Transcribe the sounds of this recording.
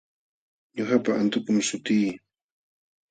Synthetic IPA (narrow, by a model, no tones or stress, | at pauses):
ɲʊxapaʔant̪ʊkʊmsʊt̪iː